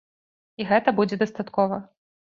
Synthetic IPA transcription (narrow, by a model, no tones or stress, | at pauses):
iɣɛt̪ɐbud͡zʲɛd̪ɐst̪at̪kɔvɐ